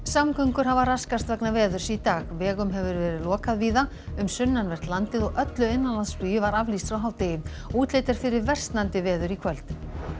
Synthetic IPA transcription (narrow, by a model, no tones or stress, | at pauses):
samkʰœŋkʏɾ̥ɦavaraskast̪vɛknavɛːðʏɾ̥sɛt̪aːɣvɛːɣʏmɦɛvʏɾvɛːɾɪðlɔːkaðviːða | ʏmsʏnːanvɛr̥t̪lant̪ɪðɔɣʔœt̪lʏɪnːanlansp̪yːjʏvaɾavlist̪fɾawɦawt̪ejɪ | uːt̪leːjt̪aɾ̥fɪɾɪɾvɛr̥st̪nant̪ɪvɛːðʏɾikʰvœl̥t̪